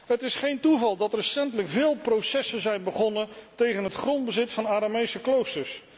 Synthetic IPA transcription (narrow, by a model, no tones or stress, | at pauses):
ɦətɪsχejntuvɑlˠdɑtrəsɛntələkvɪːlˠprowsɛsəzɛjnbəχɔnəntejχənɦətχrɔndbəzɪtfɑnaːɾamejsəklowstəɹs